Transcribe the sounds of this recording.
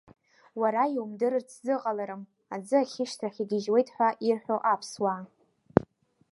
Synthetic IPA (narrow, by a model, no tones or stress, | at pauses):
waɾaiwumdɨɾɨrt͡sʰzɨqʼalaɾɨm | ad͡zɨaχʲɪʃtʰraχʲiɡʲɪʒwe̞jtʼħʷᶣaʔirħʷᶣoʔapʰswa